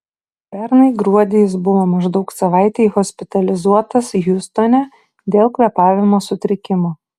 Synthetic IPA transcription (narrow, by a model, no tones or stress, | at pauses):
pʲɛɾnɐɪɡɾuɔd̪ʲejɪsbʊʋoːmɐʒd̪ɐʊksɐʋɑˑɪt̪ʲehɔːsʲpʲɪt̪ɐlʲɪzuɔt̪ɐsjʊst̪oːnʲɛ | d̪ʲeːlˠkʋʲɛpɑːʋʲɪmoːsʊt̪ʲɾʲɪkʲɪmoː